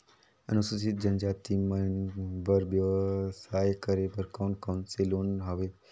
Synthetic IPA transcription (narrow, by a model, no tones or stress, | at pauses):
ənususit̪̚d͡ʒənd͡ʒat̪iməbəɾʋjəʋsajkəɾebəɾkawnkawnselonɦəʋe